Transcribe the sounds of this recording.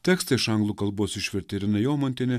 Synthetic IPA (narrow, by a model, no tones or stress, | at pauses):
t̪ʲɛːkst̪ɐɪɪʃɐŋɡlˠuːkɐlˠboːsɪʃʲʋʲɪɾʲt̪ʲɛɾʲɪnɐjoːmonʲt̪ʲɪnʲɛ